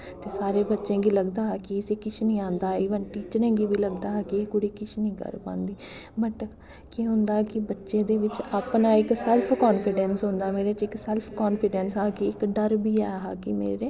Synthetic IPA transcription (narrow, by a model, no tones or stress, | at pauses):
t̪eːsaːɾeːbətːʃẽːɡiːləɡd̪aːɦkɪɪseːkɪt͡ʃʰnĩːãːnd̪aːiːʋənʈiːt͡ʃɾẽːɡiːbiːləɡd̪aːɦkɪeːkʊɽiːkɪt͡ʃʰnĩːkə̰ɾpã̰ːnd̪iː | bəʈ | keɦʊ̃nd̪aːkɪbətːʃẽːd̪eːʋɪt͡ʃaːpnaːɪksɛlpʰkɔːnpʰɪɖɛ̃ːnsɦʊ̃nd̪aːmeːɾeːt͡ʃɪksɛlpʰkɔːnpʰɪɖɛːnsɦaːkiɪkɖəɾbʱiːɛːɦaːkɪmḛːɾeː